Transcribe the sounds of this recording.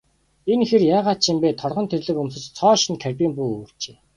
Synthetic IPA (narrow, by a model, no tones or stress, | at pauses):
enxĕrjaːʁaːt̪t͡ɕʰimpeːt̪ʰɔrʁɞ̆nt̪ʰerɮɘ̆kɵmsɘ̆t͡ɕt͡sʰɔːʃĭnkʰærʲpiːmpujoːr̥t͡ɕe̥ː